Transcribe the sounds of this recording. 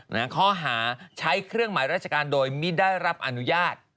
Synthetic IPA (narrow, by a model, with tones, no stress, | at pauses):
na˦˥˩kʰɔː˥˩ɦaː˩˦t͡ɕʰa˦˥jkʰɾɯ˥˩əŋmaː˩˦jɾaː˥˩t͡ɕʰa˧kaː˧ndoː˧jmiː˥˩daː˥˩jɾa˦˥p̚ʔa˧nu˦˥jaː˥˩t̪̚